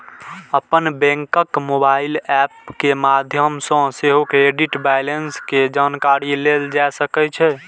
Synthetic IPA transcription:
əpənbɛ̃ŋkəkmobailɛpkemad̪ʱjəmsə̃seɦokeɖiʈbajlensked͡ʒankaɾileld͡ʒajsəkɛt͡ʃʰɛ

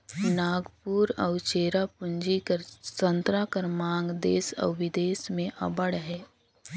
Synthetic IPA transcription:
naːɡpuːɾə̰ʊt͡ʃeːɾapʊ̃ɲd͡ʒikəɾsə̃nt̪ɾakəɾmãːŋɡd̪eːsə̰ːʋɪd̪eːsmẽʔɐ̰bəɽɦɛː

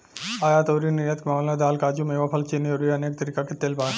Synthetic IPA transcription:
aːjat̪oːɾinɪɾjət̪kmɐːlnad̪aːlkaːd͡ʒumeːʋapʰɐlt͡ʃinioɾiɐneːk̚t̪ɐɾiːkaket̪eːlpaː

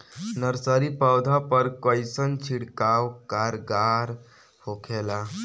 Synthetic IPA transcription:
nəɾsəɾipəwd̪ʱapəɾkəɪsənt͡ʃʰiɽkawkaɾɡaɾ | hokʰela

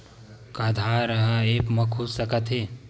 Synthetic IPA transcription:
kəd̪ʱaɾəɦəeːpməkʰussəkət̪ɦeː

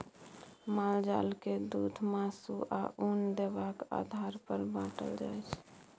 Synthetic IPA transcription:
mald͡ʒa̰lked̪ud̪ʱmasuʔaʔund̪ebaka̰d̪ʱaɾpəɾbãʈə̰ld͡ʒa̰jt͡ʃʰ

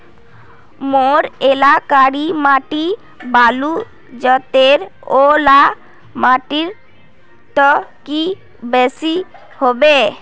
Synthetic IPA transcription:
moɾelakaɾimaʈi | balu | d͡ʑɔt̪eɾola | maʈiɾ | t̪ɔki | besi | hobe

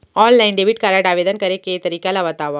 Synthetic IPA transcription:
ɔːnlaɪnɖebiʈkaːɾaːɖaːʋeːd̪ənkɐɾeket̪ɐɾiːkalabɐt̪aːʋa

